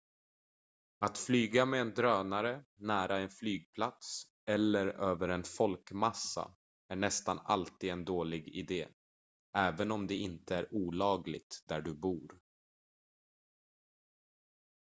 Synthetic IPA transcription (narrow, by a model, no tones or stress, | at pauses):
at̪flyːɡamɛːnd̪ɾøːnaɾənæːɾaɛnflyːɡ̚pʰlat̪s | ɛlːəɾøːvəɾɛnfɔlkmasːa̰ | æɳɛst̪ana̰lt̪iːd̪ɛnd̪oːlɪɡɪ̰d̪eː | ɛːvənɔmd̪ɛɪnt̪əæɾuːlɑːɡlɪ̰ɡ̚t̪d̪æɖɵbuːɾ